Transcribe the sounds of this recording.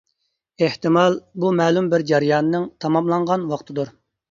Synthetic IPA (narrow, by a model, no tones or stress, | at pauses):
eht̪ɨmɑlˠbumɛːlˠumbɪɾd͡ʒɛɾɨjɑːnɨnɨŋt̪ʰɑmɑmlˠɑŋʁɑnwɑqt̪ʰɨd̪uɾ